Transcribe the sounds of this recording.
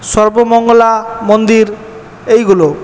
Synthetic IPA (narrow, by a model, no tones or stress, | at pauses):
ʃɔɾbomɔŋɡolamond̪iɾ | ejɡulo